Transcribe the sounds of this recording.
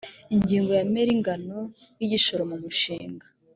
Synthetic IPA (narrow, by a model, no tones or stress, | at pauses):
iɲɟiːŋɡo̞jameɾiŋɡano̞ | jiɟiʃo̞ɾomumuʃiːŋɡḁ